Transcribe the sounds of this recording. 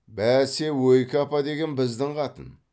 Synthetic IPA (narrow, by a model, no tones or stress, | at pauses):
bæɾse̞wɵjkʲɪɑpɑd̪e̞ɡʲe̞nbɪzd̪ɪɴqɑt̪ə̰n